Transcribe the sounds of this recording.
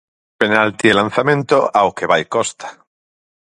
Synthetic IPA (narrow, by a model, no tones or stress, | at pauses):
penalt̪ielan̟θamẽnt̪oawkeβajkost̪ḁ